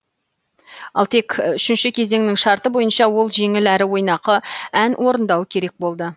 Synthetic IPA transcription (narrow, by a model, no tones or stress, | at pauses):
ɑ̰lˠt̪ʰe̞kʏʃɪnʃɪkʲʰe̞ze̞ŋnɪŋʃɑɾt̪əbo̞jənʃɑwo̞lˠʒe̞ŋɪlæɾɪwo̞jnɑqəænwʔo̞ɾənd̪ɑwəkʲʰe̞ɾe̞k̚bo̞lˠd̪ə